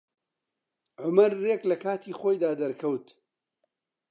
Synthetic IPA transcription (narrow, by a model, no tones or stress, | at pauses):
ʕʊmɐɾːeklɐkʰaːt̪ʰiːxoːjd̪aːd̪ɐɾkʰɐwt̪